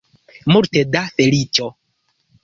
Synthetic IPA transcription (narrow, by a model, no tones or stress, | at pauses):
muɾtɛdafelit͡ʃɔ